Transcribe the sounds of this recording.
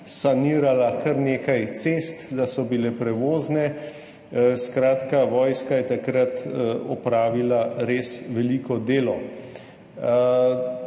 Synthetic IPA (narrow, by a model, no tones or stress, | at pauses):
saniːɾalakaɾneːkajt̪seːst̪d̪asɔbilɛpɾɛʋoːznɛ | skɾaːt̪kaʋɔːjskajɛt̪akɾat̪ɔpɾaːʋilaɾeːsʋɛliːkɔd̪eːlɔ